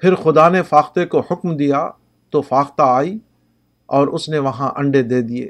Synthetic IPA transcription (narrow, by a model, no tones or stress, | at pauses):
pʰɪɾxʊd̪anefaːxt̪ekohʊkmd̪ija | t̪ofaːxt̪aaːiː | ɔːɾʊsneʋɐɦãʔɐ̃ɳɖed̪eːd̪iḛː